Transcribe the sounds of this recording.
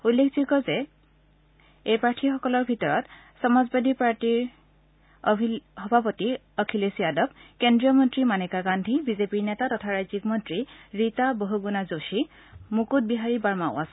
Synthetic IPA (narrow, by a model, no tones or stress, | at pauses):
ulːekʰzikɔzɛ | ejpɹaɹtʰixɔkɔlɔɹbʱitɔɹɔt | sɔmazbadipaɹtiɹ | ɔxɔbʱapɔti | ɔkʰilesiadɔbkendɹijɔmɔntɹimanekaɡandʱibizepiɹnɛtatɔtʰaɹajzikmɔntɹiɹitaboɦuɡunazoʃi | mukut̚biɦaɹibaɹmaʊasɛ